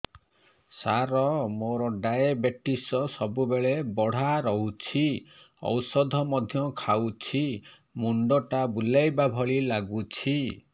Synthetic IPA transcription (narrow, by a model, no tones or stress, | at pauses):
saɾɔmoɾɔɖajabeʈisɔsɔbubeɭebɔɽ̤aɾɔɦut͡ʃʰi | ɔ̰wsɔd̪ʱɔmɔd̪ʱjɔkʰawt͡ʃʰi | muɳɖɔʈabulajbabʱɔɭilaɡut͡ʃʰi